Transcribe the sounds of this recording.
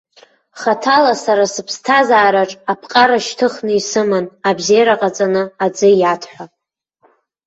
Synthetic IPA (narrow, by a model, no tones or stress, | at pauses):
χatʰalasaɾasɨpʰstʰazaːɾaʈ͡ʂʼapʰqʼaɾaʃtʰɨχnɨisɨmanabzejɾaqʼat͡sʼanɨad͡zɨjatʰħʷa